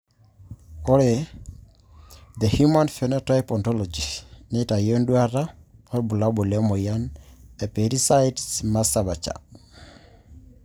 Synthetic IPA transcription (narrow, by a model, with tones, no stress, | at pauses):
ɔ˦ɾe˨ | ðe˨hjuma˦nfɛnɔ˦tajpɔ˨ntɔlɔ˨d͡ʒi˨neta˨jɔ˦ndwa˦ɾaɔ˦ɾbu˨la˦bo˨lɛ˦mo˨ja˦nɛ˨pe˨ɾi˦sa˦jtsma˦saba˨t͡ʃa̰˨